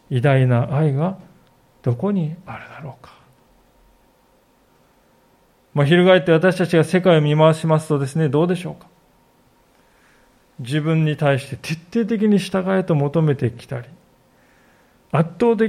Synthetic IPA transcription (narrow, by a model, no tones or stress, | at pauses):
id̪ainaʔːiɡa | d̪̥o̞ko̞ɲ̟iaɾɯ̟d̪aɾo̞ːkḁ | maːçiɾɯ̟ɡaet̪ːe̞β̞at̪aɕi̥t̪at͡ɕiɡase̞kaiomʲimaβaɕimasɨ̥t̪o̞d̪e̞sɨne̞d̪o̞ːd̪e̞ɕo̞ːkḁ | d͡ʑibɯ̟̃ɲ̟ːit̪aiɕi̥t̪e̞t̪ʰe̞t̪ːe̞ːt̪̬e̞k̬ʲiɲ̟iɕi̥t̪aɡae̞t̪o̞mo̞t̪o̞me̞t̪e̞kʲi̥t̪aɾʲi | at̪ːo̞ːt̪̬e̞